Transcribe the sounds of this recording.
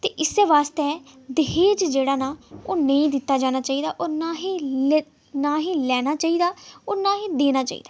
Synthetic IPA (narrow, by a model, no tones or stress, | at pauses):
t̪eːʔɪseːʋaːst̪eː | d̪ɪɦeːd͡ʒd͡ʒeːɽaːnaːoːnəĩːd̪ɪt̪ːaːd͡ʒaːñaːt͡ʃaːiːd̪aːʔoːnaːɦiː | naːɦiːlɛːnaːt͡ʃaːiːd̪aːoːnaːɦiːd̪eːnaːt͡ʃa̰ːḭːd̪aː